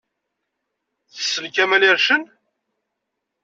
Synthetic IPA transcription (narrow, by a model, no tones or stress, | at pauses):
θə̥sːəlkæmæliɾʃən